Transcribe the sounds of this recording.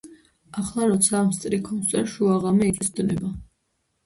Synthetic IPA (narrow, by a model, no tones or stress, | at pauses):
aχlˠaɾɔt̪sʰamst̪ʼɾikʰɔnsʼɛɾʃuaʁamɛit̪ʼɛsd̪nɛba